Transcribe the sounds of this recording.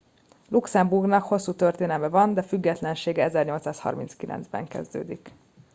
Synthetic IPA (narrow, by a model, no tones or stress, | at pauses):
luksɛmburɡnɒkho̞sːuːt̪ørt̪eːnɛmɛvɒnd̪ɛfyɡːɛt̪lɛnʃeːɡɛɛzɛrɲo̞lt̪saːshɒ̰rmḭnskilʔɛ̰nzbɛ̰ŋkɛ̰zd̪ø̰ːd̪ik